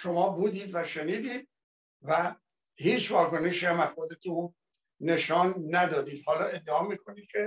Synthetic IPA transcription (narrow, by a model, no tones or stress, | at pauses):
ʃo̞mɒːbuːd̪iːd̪væʃe̞niːd̪iːd̪̚ | væ | hiːt͡ʃvɒːko̞neʃihæmæzxod̪e̞t̪ʰuː | e̞ʃɒːnːæd̪ɒːd̪iːd̪hɒːlɒːe̞d̪ːeɒːmiːkʰo̞niːd̪̚cʲʰe̞